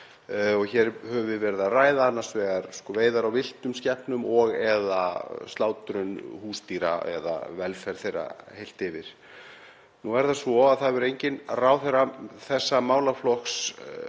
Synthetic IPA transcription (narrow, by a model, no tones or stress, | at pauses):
ɔɣçɛɾhœvʏvɪðvɛɾɪðaraːjðaanːasvɛːɣaɾskɔveːjðaɾawvɪl̥t̪ʏmscɛhpnʏmɔɣɛðast̪laːwt̪ɾʏnhuːst̪iːɾa̰ɛ̰ða̰vɛlfɛɾ̥θejrːa̰hejl̥t̪ɪvɪɾ̥ | nuɛɾθasvɔaðθaðvɛɾejɲcɪnraːwθeɾaθɛsːamaːwlaflɔks